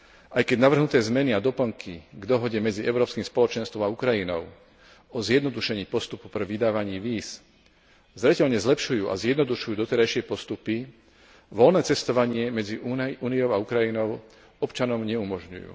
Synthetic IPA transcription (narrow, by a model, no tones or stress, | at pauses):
ʔajkɛɟnaʋr̩ɦnut̪ɛːzmɛniad̪ɔpl̩ŋkʰiɡd̪ɔɦɔɟɛmɛd͡ziʔɛʊɾɔːpskiːmspɔlɔt͡ʃɛnst̪ʋɔmaukɾajinɔʊ | ɔzjɛd̪nɔd̪uʃɛɲiːpɔst̪upupr̩ʋid̪aːʋaɲiːʋiːs | zɾɛcɛʎɲɛzlɛpʃujuːʔa̰zjɛd̪nɔd̪uʃujuːd̪ɔt̪ɛɾajʃɪɛpɔst̪upi | ʋɔlnɛːt͡sɛst̪ɔʋaɲɪɛmɛd͡ziuːnijɔʊaukɾajinɔʊ | ɔpt͡ʃanɔmɲɛumɔʒɲṵjṵː